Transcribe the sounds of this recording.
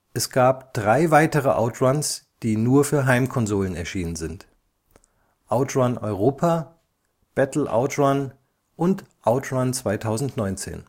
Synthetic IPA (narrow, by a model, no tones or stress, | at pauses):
ʔɛsɡ̥aːpd̥ʁaɪvaɪtəʁəʔa̰ʊtʁans | d̥iːnuːɐfyːɐɦaɪmkʰɔnzoːlənɛɐʃiːnənzɪnt | ʔaʊtʁanʔɔ̰ʏʁoːpʰaː | b̥ɛtl̩ʔa̰ʊtʁan | ʔʊntʔaʊtʁant͡sv̥aɪtʰaʊzn̩tnɔʏnt͡sḛːn